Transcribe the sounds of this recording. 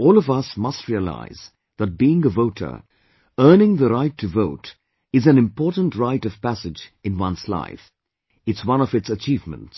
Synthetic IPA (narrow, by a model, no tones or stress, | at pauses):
ɔːlˠʌvʌsmʌstɹiəla̰ɪz | ðət̚b̥iɪ̃ŋəvoʊtʰə̰˞ | ɜ˞nɪ̃ŋðəɾaɪtʰːɨvoʊt | ɨzæ̃nɨ̃mpʰɔːɹtn̩tɹaɪɾʌv̥pæsɪd͡ʒɨ̃nwʌ̃nsla̰ɪf | ɨtswʌ̃nʌvɨtsət͡ʃiːvmə̰̃nts